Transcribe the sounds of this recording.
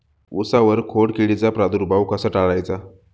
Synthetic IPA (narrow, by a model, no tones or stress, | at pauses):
usaʋəɾkʰoɽkiɭit͡sapɾad̪uɾbʱawkasaʈaɭajt͡sa